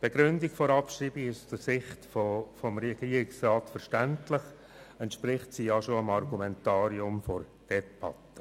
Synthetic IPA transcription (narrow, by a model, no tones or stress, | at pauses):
b̥eɡ̥ɾʏndiɡfɔɾɑpʃriːbɪɡɪʃsdəsɪχtfofɔmɾɛɡ̥iːɾɪksrɑːtfəɾʃtæntlɪχ | ɛntʃpɾɪχtsijɑʃoəmɑrɡumɛntɑːɾiʊmfɔr | d̥ɛb̥ɑtːə̥